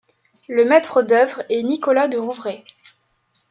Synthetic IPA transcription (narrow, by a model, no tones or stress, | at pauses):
ləmɛt̪χəd̪œvʁɛnikɔlad̪əʁuvʁe